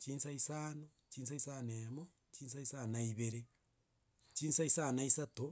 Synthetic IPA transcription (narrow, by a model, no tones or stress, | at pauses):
t͡ʃiːnsaisano | t͡ʃiːns̬aisanemo | t͡ʃinsaisanaiβeɾe | t͡ʃiːnsaisanaisato